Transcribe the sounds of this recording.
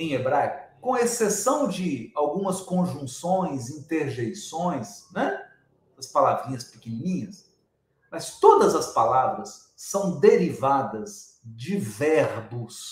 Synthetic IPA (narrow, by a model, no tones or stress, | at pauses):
ẽj̃ebɾajkʊkõɐesesɐ̃w̃d͡ʒɪawɡũmɐskõʒũsõj̃zĩt̪eɾʒejsõj̃snɛ | d̪̥ɐspalavĩɲɐspɪkɪnĩnĩɲɐs | mɐst̪od̪ɐzɐspalavɾɐsː | ɐ̃w̃d̪eɾivad̪ɐz | d͡ʒɪvɛɾbʊs